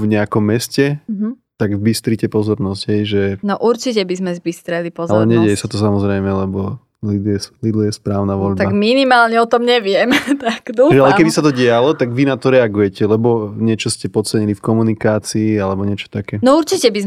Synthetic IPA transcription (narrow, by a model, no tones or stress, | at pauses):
vɲɛakɔmːɛscɛɦ̩t̪aɡzbist̪ɾicɛpɔzɔɾnɔzɟ̥ɦɛjʒɛnɔʔuɾt͡ʃicɛbizmɛzbist̪ɾɛlipɔzalɛɲɛɟɛjɛsat̪ɔs̬amɔzɾɛjmɛlɛbɔ | lid̪ɛslid̪lɔjɛspɾaːʊnaʋɔʎbt̪aaɡminimaːlɲɛɔt̪ɔmɲɛʋɪɛmt̪aknuʒɛalɛkɛbisat̪ɔɟɪalɔt̪aɡʋinat̪ɔɾɛaɡujɛcɛlɛbɔɲɪɛt͡ʃɔscɛpɔt͡sɛɲilifkɔmunikaːt͡siːalɛbɔɲɪɛt͡ʃɔ̥t̪akɛːnɔuɾt͡ʃicɛbiz